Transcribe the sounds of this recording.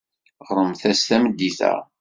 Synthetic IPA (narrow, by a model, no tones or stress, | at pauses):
ʁɾˤəmθæsθæməd̪ːiθæ̰ʁ